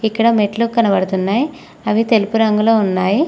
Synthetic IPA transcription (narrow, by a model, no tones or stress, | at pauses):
ikːɐɽɐmeʈlukɐnɐbɐɽɐt̪unːaːji | ɐʋit̪e̞lupuɾɐŋɡuloːunːaːji